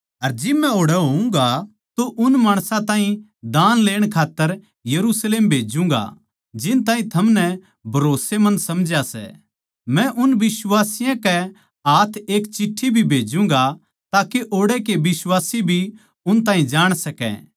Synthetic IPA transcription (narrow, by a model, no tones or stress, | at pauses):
ɐɾd͡ʒɪbmɛ̃oːɽɛɦoːũŋɡa | t̪oʔʊnmaːɽ̃sãt̪ãːɦĩ | d̪aːnleːɽ̃kʰaːt̪ːəɾ | jɐɾusleːmbʱeːd͡ʒũːŋ̆ɡa̰ | d͡ʒɪnt̪aːɦĩt̪ʰɐmnɛ | bʱɐɾoːsemɐ̃nsɐmd͡ʒjasɛ̰ | mɛ̃ʔʊnbɪswaːsɪjãkɛ | aːt̪ʰeːkt͡ʃɪʈʰːibʱibʱeːd͡ʒũŋɡa | t̪aːkeʔoːɽekebɪswaːsibʱi | ʊnt̪aːɦĩd͡ʒaːɽ̃sɐkɛ̰̃ː